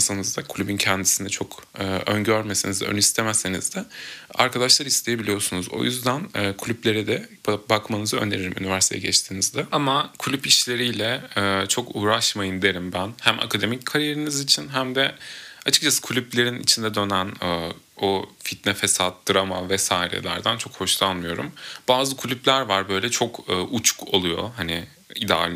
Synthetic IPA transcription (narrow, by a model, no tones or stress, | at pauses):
sanɯzd̪akʰulʲybyncʰɛnd̪isind̪ɛt͡ʃʰo̞kʰɯːønɟøɾmesinizd̪ɛø̰nyist̪ʰemɛsenḭzd̪ɛa̰ɾkʰad̪aʃlˠaɾist̪ʰe̞jebilʲijo̞sunuzo̰jyzd̪ænːkʰulʲyblʲe̞ɾid̪ɛbbakmanɯzaø̰nd̪ʲeɾiɾimʔy̰nivæɾst̪ʰḛjɛɟɛt͡ʃt̪ʰinizd̪ɛamakʰulʲypiʃlʲe̞ɾijlʲɛɛːt͡ʃʰo̞kuːɾaʃmajɯnd̪eɾimbænhæmʔa̰kʰad̪e̞mickʰaɾije̞ɾinizit͡ʃʰinɦæmd̪ɛat͡ʃʰɯ̥k̚t͡ʃʰasɯ̥kʰulʲyplʲe̞ɾinḭt͡ʃʰind̪ɛd̪ø̞nænː | ofit̪̚nɛfesat̪̚d̪ɯɾama̰vɛsaːjɾɛ̰lʲæ̰ɾd̪ænt͡ʃʰo̞kho̞ʃlˠanˠmɯjo̞ɾṵmbaːzɯkʰulʲyblʲæɾvaɾbø̞jlʲɛt͡ʃʰo̞kʰɯːut͡ʃʰu̥ko̰lˠujo̞̰hanɪ | id̪alʲ